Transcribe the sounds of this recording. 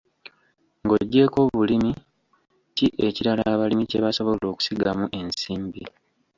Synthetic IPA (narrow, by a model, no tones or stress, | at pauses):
ŋɡo̞ɟːe̞ːko̞ːβulimi | ciʔe̞ciɾalaːβalimice̞βaso̞βo̞lo̞ːku̥siɡamuʔe̞nsiːmbi